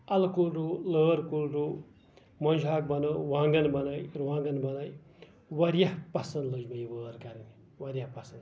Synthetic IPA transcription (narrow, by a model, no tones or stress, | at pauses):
ɐlkulɾuːləːɾkulɾuː | mɐnd͡ʒʱaːk̚bɐnəʋãːŋɡɐnbɐnajɾuʋãːŋɡɐnbɐnaj | wɐɾjahpɐsɐ̃nd̪ləd͡ʒmɐjʋəːɾkaɾini | wɐɾjapɐsɐnd̪